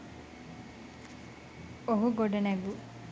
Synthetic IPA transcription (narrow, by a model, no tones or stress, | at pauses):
oɦuɡoɖeneɡu